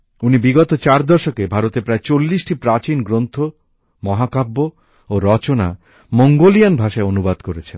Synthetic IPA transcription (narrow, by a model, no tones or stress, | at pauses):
unibiɡɔt̪ot͡ɕaɾd̪ɔʃokebʱaɾot̪epɾaet͡ɕolːisʈipɾat͡ɕinɡɾont̪ʰo | mɔɦakabːo | oɾɔt͡ɕona̰ | mɔŋɡolijanbʱaʃaeonubad̪koɾet͡ɕʰen